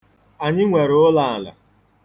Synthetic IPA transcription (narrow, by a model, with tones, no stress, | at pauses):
a˨ɲɪ˦ŋʷe˨ɾʊ˦la˦˨a˨la̰˨